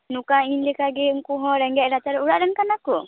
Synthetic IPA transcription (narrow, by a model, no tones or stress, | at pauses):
nukainlɛkaɡɛŋkuɦɔ̃ɾɛŋɡɛɾat͡ʃaɾɛuɽaʔɾɛnkanakɔ